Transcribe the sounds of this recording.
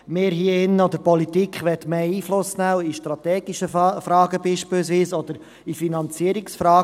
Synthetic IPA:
mɪːɾɦiːəɪnɔd̪əɾpɔlit̪ikʰχʋɛt̪meːiːflʊsnæwiʃtɾɑt̪ɛːɡ̥iʃəfɾɑːɡəbiːʃpɪlsʋiːsɔd̥̪əɾ | ifinɑnt͡siəɾiksfɾɑː

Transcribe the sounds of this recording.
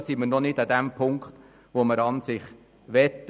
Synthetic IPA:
siməɾnɔnɪdɑd̪æmpʰʊŋkχt̪ | ʋoməɾɑnsɪχ | ʋɛt̪ː

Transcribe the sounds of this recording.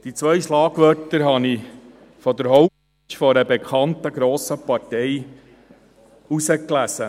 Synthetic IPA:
d̥̪it͡sʋœjʃlɑːɡʋœrtəɾɦɑni | fɔd̪əɾɦɔʊ | fɔɾəbekʰɑnt̪əɡɾoːsəpɑɾtɛj | usəklæsə

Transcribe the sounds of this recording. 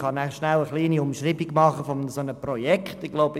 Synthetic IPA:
χɑnæχʃnæləχliːniʊmʃriːbiɡmɑχəfɔmnəsonəprɔjɛkχtɪɡ̥loʊbə

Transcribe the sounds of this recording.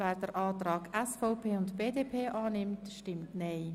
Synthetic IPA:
vɛːɾdəɾʔɑːtɾɑːkɛsfɔʊpʰeːʊntb̥eːdeːpʰeːʔaːnɪmtʃtɪmtnɛɪ

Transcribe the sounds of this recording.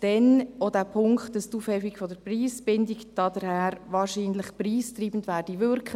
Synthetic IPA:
d̥ɛnodæpʰʊŋktdɑstuːfhɛfikfɔdəɾpriːsb̥ɪndikd̥ɑdəɾhæːɾʋɑːɾʃiːnləχpriːst̪riːbən̩tʋæːɾd̥iʋʏɾkʰχ

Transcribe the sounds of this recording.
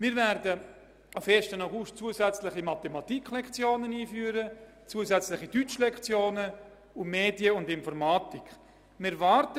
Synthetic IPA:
mɪːɾvɛɾdə | ʔafeːɾʃtənaɡʊʃtt͡suəzɛt͡slɪχimɑtemɑtikʰlɛkt͡sjoːnəniːfyːɾə | t͡suəzɛt͡slɪχidyt͡ʃlɛkt͡sjoːnə | umeːdjəʊndɪnfɔɾmɑːtik | mɪvɑːɾtə

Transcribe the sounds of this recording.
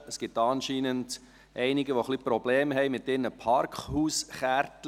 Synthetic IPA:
əsɡ̥ɪtɑːnʃiːnənd | ʔɛɪnɪɡəʋoχlipɾɔb̥leːmɦɛɪmɪtːɪrnəpʰɑɾkhuːsχæɾt

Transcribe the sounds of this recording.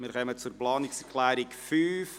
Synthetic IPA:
mɪɾχœmət͡surplɑːnɪksɛɾkʰlæːɾɪkfyːf

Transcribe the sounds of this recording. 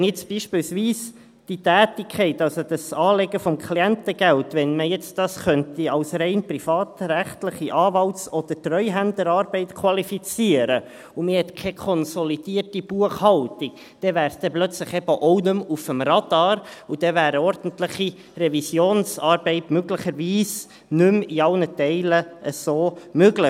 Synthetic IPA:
njɛt͡sb̥iːʃpiːlsʋiːs | d̥it̪æːtikʰɛɪtːɑlsod̥ɑsɑːleɡəfɔmkʰliɛnt̪əɡ̥æltʋɛnməjɛt͡sd̥ɑsχœnt̪iɑwsɾɛɪnprifɑːt̪ɾæχtləχiʔɑːvɑlsɔd̥̪ətrœʏɦændəɾɑːɾb̥ɛɪt̪kʰwɑlifit͡siəɾə | umɪhɛt̪kʰɛkʰɔnsɔlid̥iːrtib̥uəχhɑlt̪ik | d̥ɛvæːɾsd̥ɛblœt͡sləχɛbəʔɔʊnʉmufəmrɑd̥ɑːɾud̥ɛvæːɾəɔɾd̥n̩tlɪχi | rɛvisjoːnsɑːɾbɛɪtmøɡlɪχəɾʋiːs | nʉmiɑlnətɛɪləʔəsoːmøɡlɪ

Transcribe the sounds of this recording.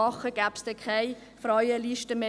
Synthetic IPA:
ɑχəɡ̥æːpsd̥ɛkʰaɪ | fɾaɪəliʃtəme

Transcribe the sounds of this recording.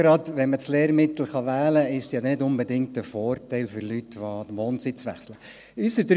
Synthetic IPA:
ɾɑdʋɛnməsleːɾmɪt̪l̩ˠχɑʋæːləɪʃsjɑdnɪdʊnbədɪŋtəfɔːrtɛɪlfʏɾlytʋoʋoːnt͡sɪt͡sʋæ̰χslə | ysədɾ

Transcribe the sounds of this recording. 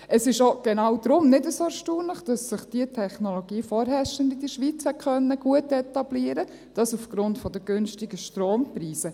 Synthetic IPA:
ʔəsɪʃoɡ̥enɑːwd̥̪ɾʊmnɪdəsoɛʃtuːnləχd̥ɑsːɪχd̥iətʰɛχnoloɡiːfɔːɾɦɛʃəndid̥əʃʋit͡shɛt̚kœnːəɡ̥uətɛtɑbliəɾə | d̥ɑsufɡ̥ɾʊntfɔd̪əɡ̥ʏnʃtɪɡəʃtɾoːmpɾiːsə

